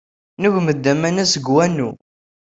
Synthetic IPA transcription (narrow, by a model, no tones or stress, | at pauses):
nuʝməd̪ːæmænæsəɡwænːu